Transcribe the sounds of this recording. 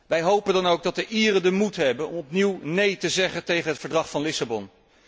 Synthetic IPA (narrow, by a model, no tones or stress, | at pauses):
ʋɛjɦowpəndɑnowɡ̚dɑt̚dəʔiːrədəmutɦɛbənɔ̰mɔpniwnejtəzɛχəntejχənɦətfəɹdrɑχfɑnlɪsabɔn